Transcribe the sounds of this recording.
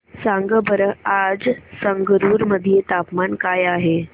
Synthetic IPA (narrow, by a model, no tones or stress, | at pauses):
sãŋɡəbəɾəad͡zsəŋɡəɾuːɾməd̪ʱijet̪apmankajaːɦe